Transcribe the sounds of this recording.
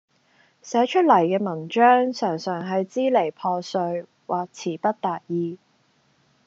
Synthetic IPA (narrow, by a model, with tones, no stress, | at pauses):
sɛː˨˥t͡ʃʰɵ˥t̚lɐ˨˩jkɛː˧mɐ˨˩nt͡ʃœː˥ŋsœː˨˩ŋsœː˨˩ŋɦɐ˨jt͡siː˥le˨˩jpʰɔː˧sɵ˧ɥ | wʔaː˨k̚t͡sʰiː˨˩pɐ˥t̚t̪aː˨t̚jiː˧